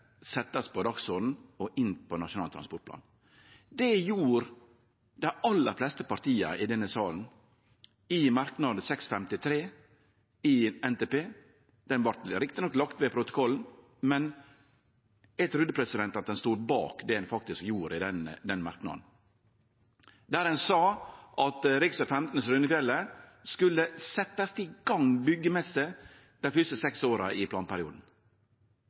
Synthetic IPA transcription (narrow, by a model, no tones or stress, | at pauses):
sɛt̪ːɑspɔd̪ɑksod̪n̩ɔʔɪnpʰɔnɑʂʊnɑːlt̪ʰɾɑ̰spɔʈ̚plɑ̰ːn | d̪ɛjuːɾ | d̪ɛʔɑlːəɾflɛst̪əpɑɾt̪iːɑ̰ʔɪd̪ɛnːəsɑːln̩ | ɪmɑɾknɑd̪əsɛksfɛmt̪ɪt̪ʰɾeː | ɪɛnt̪epeː | d̪ɛnʋɑɾt̪ɾɪkt̪ɪnɔklɑkt̪ʋɛpʰɾʊt̪ʊ̥kʰɔln̩ | mɛn | jɛt̪ʰɾʉd̪əpʰɾɛsɪd̪ɛnt̪ɑt̪̚d̪ɛnst̪uːɾbɑ̰ːkd̪ɛhɛnfɑk̚t̪ɪskjuːɾɪd̪ɛnd̪ɛnmɑ̰ɾknɑ̰d̪n | d̪æːɾɛnsɑːʔɑt̪ɾɪksəfɛmt̪nəsɾʉnəkʋɛlːəskʉlːəsɛt̪ːɑst̪ʰɪɡ̥ɑŋbʏɡːəmɛst̪ə | d̪̥æfʏst̪əsɛksoːɾɑʔɪpʰlɑːnpʰæɾɪṵːd̪n̩